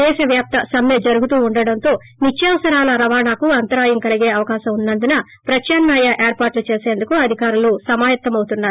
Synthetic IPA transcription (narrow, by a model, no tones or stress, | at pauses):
ɛːʃɐʋjaːp̚t̪ɐsɐmjɐd͡ʒɐɾuɡut̪uːuɳɖɐɽɐnt̪o̞ː | nit͡ʃːjɐʋɐsɐɾaːlɐɾɐʋaːɳaːkuɐnt̪ɐɾaːjɐŋkɐliɡe̞ːɐʋɐkaːʃɐmunːɐnd̪unɐ | pɾɐt͡ʃɐːnmaːjɐʔeːɾpaːɾʈlut͡ʃe̞ːse̞ːnd̪ukuɐd̪ʱikaːɾulusɐmaːjɐt̪ːɐmɐwut̪unːaːɾu